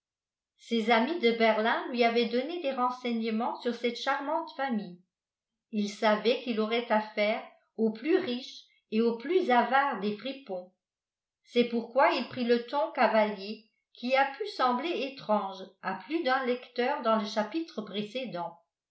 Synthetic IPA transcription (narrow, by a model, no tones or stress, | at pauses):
sezamid̪əbɛʁlɛ̃lɥiavɛd̪ɔned̪eʁɑ̃sɛɲəmɑ̃syʁsɛt̪ʃaʁmɑ̃t̪famij | ilsavɛkilɔʁɛt̪afɛːʁ | oplyʁiʃ | eoplyzavaːʁd̪efχipɔ̃ | sɛpuʁkwailpχilət̪ɔ̃kavalje | kʰiapʰysɑ̃bleet̪χɑ̃ʒaplyd̪œ̃lɛkt̪œːʁd̪ɑ̃ləʃapit̪χəpχesed̪ɑ̃